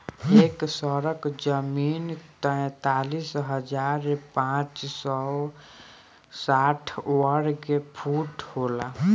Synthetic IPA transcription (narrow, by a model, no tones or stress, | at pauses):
eksɔɾəkd͡ʒəmint̪əɛ̃t̪alisɦəd͡ʒaːɾepãt͡ʃsɔ | saːʈʰwəɾkepʰuʈhola